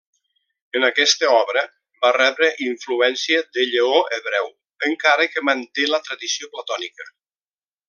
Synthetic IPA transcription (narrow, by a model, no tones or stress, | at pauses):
ənakɛst̪əɔβɾə | barɛβɾəʔiɱfluɛnsiəðəʎəoʔeβɾɛw | əŋkaɾəkəmənt̪elət̪ɾəðisioplat̪ɔnikə